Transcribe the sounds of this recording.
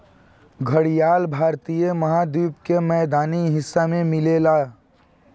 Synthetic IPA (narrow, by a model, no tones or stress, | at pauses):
ɡʱəɽijaːlbʱaːɾt̪ijemɐɦaːd̪uːpkemɛːd̪aːniɦɪsːamẽmɪleːlaː